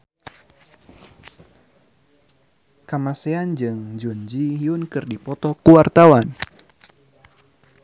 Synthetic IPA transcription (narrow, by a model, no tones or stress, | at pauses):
kamaseand͡ʒɨŋd͡ʒuɲd͡ʒiɦiunkɨrdipɔt̪ɔkuwart̪awan